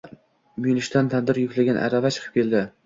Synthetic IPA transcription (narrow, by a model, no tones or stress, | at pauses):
mijlɪʃt̪ant̪ʰand̪ɪɾjʊkʲlaɡʲanʔa̰ɾavat͡ʃʰɨ̥qʰɨ̥p̚kʲe̞ld̪ɪ